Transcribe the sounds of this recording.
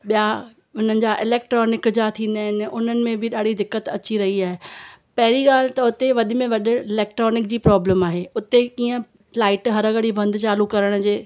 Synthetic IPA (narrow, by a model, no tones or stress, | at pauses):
ɓija | ʊn̤ənɪ̆d͡ʑaʔɪleːkʈɾoːnɪkd͡ʑat̪ʰĩːn̆d̪aːɦɪnɪ̆ʊn̤ənɪ̆mẽbʱɪɗaːɽ̤id̪ɪkːət̪ɐt͡ɕiɾɐɦiaːɦepɐɦɪɾiɠaːl̤ɪt̪ɐʊt̪eʋɐɗɪ̆mẽʋɐɗɪ̆ɪleːk̚ʈɾɔːnɪk̚d͡ʑiːpɾɔːbləmaːɦeːʊt̪ekiːə̃ | laːɪʈɦɐɾəɡəɽibɐ̃nd̪ʱt͡ɕaːlukɐɾəɽ̃d͡ʑeː